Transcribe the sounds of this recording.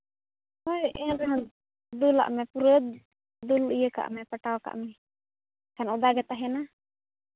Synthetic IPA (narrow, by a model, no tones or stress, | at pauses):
aʔɛla | d̪ula̰ʔmɛpuɾəd̪ | d̪ulijəka̰ʔmɛpəʈawka̰ʔmɛ | kanɔd̪aɡɛt̪aɦɛna